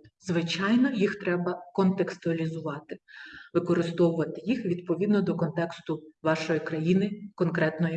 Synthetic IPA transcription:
zʋɪt͡ʃɑjnɔjixt̪ɾɛbɐkɔnt̪ekst̪ʊɐlʲizʊʋɑt̪ɪʋɪkɔɾɪst̪ɔwʊʋɐt̪ɪjixʋʲid̪̚pɔʋʲid̪nɔd̪ɔkɔnt̪ɛkst̪ʊʋɑʃɔjikɾɐjinɪkɔnkɾɛt̪nɔji

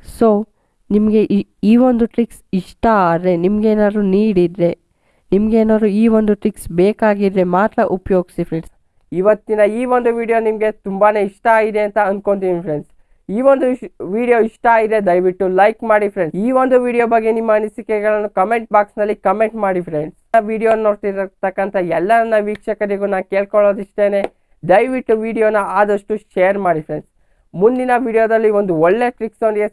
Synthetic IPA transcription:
so̞ː | nimɐɡe̞ʔiːʋo̞nd̪uʈɾiksiʂʈɐaːd̪ɾe̞nimɐɡeːnaːd̪ɾuniːɽid̪ɾe̞ | nimɐɡeːnaːd̪ɾuiːʋo̞nd̪uʈɾiksbeːkaːɡid̪ɾe̞maːt̪ɾɐʔupjo̞ːɡisifɾeɳs | iʋɐt̪ːinɐiːʋo̞nd̪uʋiːɽijo̞ːnimɐɡe̞t̪umbaːne̞ːiʂʈɐaːɡid̪e̞ɐnt̪ɐɐnd̪ko̞nt̪ipʰɾeɳs | iːʋond̪uʋiːɽijo̞iʂʈɐaːɡid̪ed̪ɐjʋiʈːulɐjkmaːɽifɾe̞ɳsiːʋo̞nd̪uʋiːɽijoːbɐɡːe̞nimːɐɐnisikɛɡɐɭɐnːukɐme̞ɳʈ̚baːksnɐlːikɐme̞ɳʈmaːɽifɾeɳɖsɐʋiːɽijoːnno̞ːɽt̪iɾt̪ɐkːɐnt̪ʰɐɛlːɐnɐnːɐʋiːkʂɐkɐɾiɡunaːnke̞ːɭkoɭoːd̪iʂʈ̪e̞ːne̞ː | d̪ɐjʋiʈːuʋiːɽijo̞ːnɐaːd̪ɐʂʈuʃejɐɾmaːɽifɾe̞ɳɖs | mund̪inɐʋiːɽijoːd̪ɐlːiʋo̞nd̪uɔɭːe̞ʈɾiksond̪ɡe

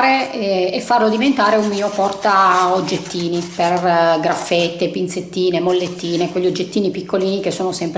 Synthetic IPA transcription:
ɾeefːarlod̪ivent̪aːɾeummiopɔrt̪aod͡ʒːet̪ːiːniperɡɾafːet̪ːepint̪set̪ːiːnemolːet̪ːiːnekweʎːiod͡ʒːet̪ːiːnipikːoliːnikesːoːnosɛmp

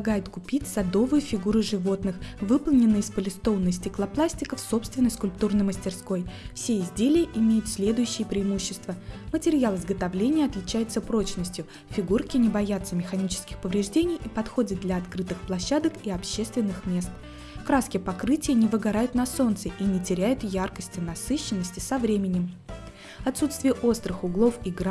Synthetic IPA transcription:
ɡajɪt̪kʊpʲitʲsɐd̪o̞vɨjʊfʲɪɡuɾɨʐɨvo̞t̪nɨxvɨpəlˠnʲɪnːɨjɪspəlʲɪst̪o̞vnːəsʲtʲɪklˠɐplˠasʲtʲɪkəfso̞pst̪vʲɪnːəjskʊlʲp̚t̪urnɨjməsʲtʲɪrsko̞jfsʲeɪzʲdʲelʲɪjəʔɪmʲejʊt̪sʲlʲe̞d̪ʊjʉɕːɪjəpɾʲɪːmuɕːɪst̪vəmətʲɪɾʲɪjalˠɨzɡət̪ɐvlʲenʲɪjəɐt̪lʲɪt͡ɕæjɪt̪səpɾo̞t͡ɕnəsʲtʲjʊ | fʲɪɡurkʲɪnʲɪbɐjat̪səmʲɪxɐnʲit͡ɕɪ̥skʲɪxpəvɾʲɪʐdʲenʲɪjipɐt̪xo̞dʲɪt̪̚d̪lʲɐːt̪kɾɨt̪ɨxplˠɐɕːad̪əkiɐpɕːe̞st̪vʲɪnːɨxmʲe̞st̪ | kɾaskʲɪjpɐkɾɨtʲɪjənʲɪvɨɡɐɾajʊt̪nɐso̞nt̪səʔinʲɪtʲɪɾʲæjʊt̪jarkəsʲtʲɪnɐsɨɕːɪnːəsʲtʲɪ̥sɐvɾʲemʲɪnʲɪm | ɐt̪sut̪st̪vʲɪjəʔo̞st̪ɾɨxʊɡlˠo̞fiɡɾ

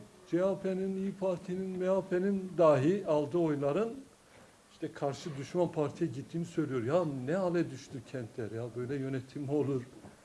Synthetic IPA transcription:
d͡ʒɛapʰeninijpʰaɾt̪ʰininmeapʰenind̪aːɦialˠd̪ɯo̞jlˠaɾɯn | iʃt̪ʰɛkʰaɾʃɯd̪yʃmanpʰaɾt̪ʰijɛɟit̪ʰːiːnisø̞jlʲijo̞ɾjanɛɦalʲɛd̪yʃt̪ʰycʰɛnt̪ʰlʲæɾjabø̞jlʲɛjø̞nɛt̪ʰimo̞lˠuɾ̥

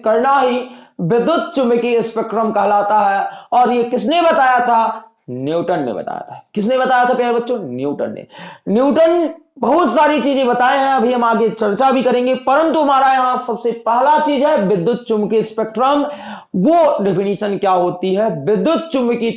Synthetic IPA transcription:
kɐɾnaɦiʋɪd̪ːʊt̪̚t͡ʃʊmbkiɪspeːk̚ʈɾəmkɐɦlaːt̪aɦɛɔːɾjekɪsnebɐt̪aːjat̪ʰa | njuːʈənːḛbɐ̰t̪a̰ːja̰t̪ʰakɪsnẽbɐt̪aːjat̪ʰapjalebɐtːʃõnjuːʈə̰nːḛnjuːʈənbɐɦʊt̪saːɾit͡ʃiːzẽbɐt̪aːeɦɛ̃ɐbʱiɦɐmaːɡet͡ʃɐɾt͡ʃabʱikɐɾẽːŋɡepɐɾə̃nt̪uɦɐmaːɾajɐɦãsɐbsepɛɦlat͡ʃiːzɦɛʋɪd̪ːjʊt̪̚t͡ʃʊmkiɪspek̚ʈɾəm | ʋoɖɛpʰɪniːʃənkjaɦoːt̪iɦɛʋɪd̪jʊt̪̚t͡ʃʊ̃mki

